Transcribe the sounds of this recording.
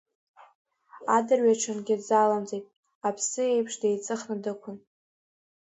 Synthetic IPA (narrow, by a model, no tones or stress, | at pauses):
adɨrɥaʈ͡ʂʰɨnɡʲɪdzalamt͡sʼejtʼ | apʰsɨe̞jpʰʂde̞jt͡sʼɨχnɨdɨkʷʰʊn